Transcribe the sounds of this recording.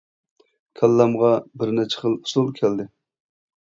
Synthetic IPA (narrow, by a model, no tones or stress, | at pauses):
kʲʰɛlːæmʁɑbɪɾnɛt͡ʃʰɛ̥χəlˠu̥sulˠkʲʰɛld̪ɪ